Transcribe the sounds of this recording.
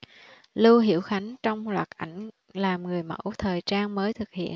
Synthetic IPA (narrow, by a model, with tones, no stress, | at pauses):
lɨ˧wɦḭ˧˥əwxa˨˦ŋ̟t͡ɕɔ˧wŋ͡mlwaː˨˩t̚ʔa˧˩jŋ̟ | laː˨˩mŋɨ˨˩əjmə̰˧˥wt̪ʰəː˨˩jt͡ɕaː˧nməː˨˦jt̪ʰɨ˨˩k̚hḭ˧˨ən